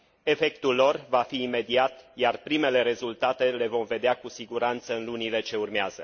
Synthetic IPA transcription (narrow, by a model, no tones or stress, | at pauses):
e̞fe̞kt̪ulːo̞rvafiːme̞d̪iat̪jarpɾime̞le̞ɾe̞zult̪at̪e̞le̞vo̞mve̞d̪eakusiɡuɾant̪səɨnlunile̞t͡ʃe̞urmeaz̥ə